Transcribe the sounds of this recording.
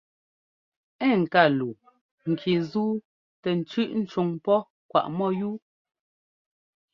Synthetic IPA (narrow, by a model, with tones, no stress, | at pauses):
ɛ˦˨ŋ̩˨ka˦˨lu˨ | ŋ̩˨kʰi˨zuː˦ | tɛ˨n̩˨t͡ʃʉ˦ʔn̩˦t͡ʃu˨ŋpɔ˦ | kwa̰˨ʔmɔ˦˨juː˦